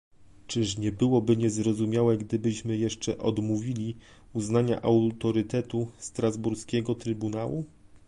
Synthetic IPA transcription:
t͡ʂɘʂɲɛbɘwɔbɘɲɛzɾɔzumʲjawɛɡd̪ɘbɘɕmɘjɛʂt͡ʂɛʔɔd̪muvʲilʲi | uznaɲa̰ʔawt̪ɔɾɘt̪ɛt̪ust̪ɾazbuɾskʲɛɡɔt̪ɾɘbunawu

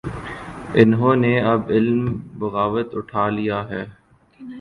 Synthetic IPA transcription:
ɪnɦõːneɐbɪlmbɐɣaːʋət̪ʊʈʰaːlijaɦɛː

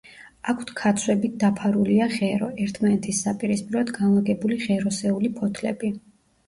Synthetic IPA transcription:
akʰt̪ʰkʰat̪sʰwɛbit̪̚d̪apʰaɾuliaʁɛɾɔɛɾt̪ʰmanɛt̪ʰisːapʼiɾispʼiɾɔd̪ɡanlˠaɡɛbuliʁɛɾɔsɛulipʰɔt̪ʰlɛ̰bi

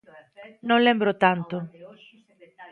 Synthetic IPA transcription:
nõnlɛmbɾot̪ant̪o

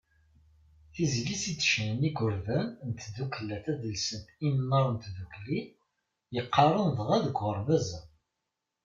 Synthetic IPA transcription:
θizlisit͡sːʃniɡʊɾðænnt̪ðuklːæθæðəlsənt̪imnːəɾˤnt̪ðukli | jəqːɑrˤənðʁæðəɡʷʁəɾˤvæzæ

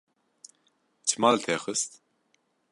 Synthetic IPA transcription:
t͡ʃʰɨmɑːlt̪ʰeːxɨst̪

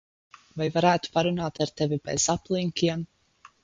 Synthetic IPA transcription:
vajvaɾæːt̪u̥paɾunaːt̪aɾt̪evibɛ̰zaplˠiŋkʲiɛm

